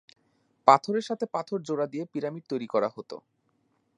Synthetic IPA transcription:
pat̪ʰoɾeɾʃat̪ʰepat̪ʰoɾd͡ʑoɾad̪iepiɾamiɾt̪ojɾikɔɾaɦot̪o̰

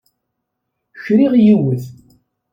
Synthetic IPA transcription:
çɾiʁjiwəð

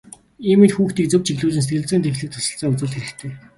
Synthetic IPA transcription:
iːmit̪xuːxt̪iːk̚t͡sɵ̆wp̚t͡ɕʰixɮuːɮɘ̆nset̪ɡɘ̆ɮt͡sɘːnt̪ʰexɮɘ̆k̚t̪ʰʊ̥sə̆ɬt͡saːʊt͡sʊ̆ːɮxeɾɘ̆kt̪ʰeː

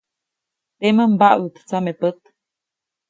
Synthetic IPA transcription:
t̪eməmbaʔwət̪t͡samepət̪̚

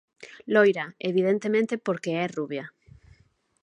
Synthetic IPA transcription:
lojɾaeβiðent̪emẽnt̪epoɾkeɛruβja

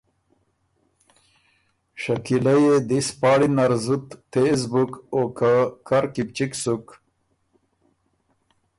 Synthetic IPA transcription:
ʂakilajed̪ispɑːɽinaɾzut̪ːezbukokakaɾkip̚t͡ʃiksuk

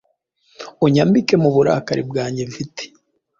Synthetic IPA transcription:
oɲambikemuβuɾa̰kaɾibɡaːɲɟevitʰe̥

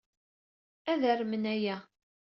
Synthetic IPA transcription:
æðərmənæjæ

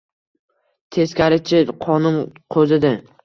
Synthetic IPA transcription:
t̪ʰe̞skʲaɾɪt͡ʃʰɪqʰɒnʊmqʰɵzɪd̪ɪ

